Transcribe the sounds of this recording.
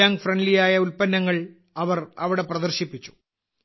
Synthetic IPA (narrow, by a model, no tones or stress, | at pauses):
aːŋɡfrɐnɖlijaːjɐulpɐnːɐŋːɐɭ | ɐʋɐrɐʋiɽe̞prɐd̪ɐrɕipːit͡ɕːu̥